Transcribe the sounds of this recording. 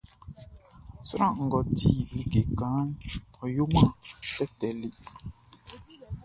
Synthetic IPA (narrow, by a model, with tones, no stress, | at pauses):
sɾã˦˨ŋ̩˨ɡɔ˨tʰi˦˨i˨ɡe˨kã˨˦n˦ɔ˨jo˦mã˦tɛ˦tɛ˨li˦